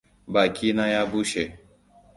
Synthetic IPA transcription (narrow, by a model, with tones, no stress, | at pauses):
baː˨kʲi˦nã˦ja˦bu˦ʃe˨